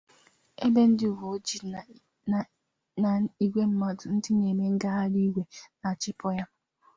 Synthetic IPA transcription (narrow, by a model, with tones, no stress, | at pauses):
e˦be˦n̩˦dɪ˦u˨ɦo˨˦d͡ʒi˨ | na˨i˨ɡʷe˦m̩˦ma˦dʊ˨n̩˦dɪ˦ne˨me˦ŋ̩˦ɡa˦ɦa˦ɾi˦ɡʷe˨na˨t͡ʃɪ˦pɔ˦ja˦